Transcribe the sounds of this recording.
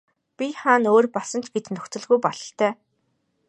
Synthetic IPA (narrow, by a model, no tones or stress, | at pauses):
pʲiχaːnoːrpɔɮsə̆nt͡ɕɡet̪nɵxt͡sɵ̆ɮɣujpɔɮɞ̆ɬt̪ʰœː